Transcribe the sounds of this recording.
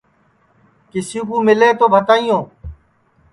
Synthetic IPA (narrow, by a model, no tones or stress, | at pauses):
kɪsĩːkũːmɪleːt̪oːbʱət̪aːijõː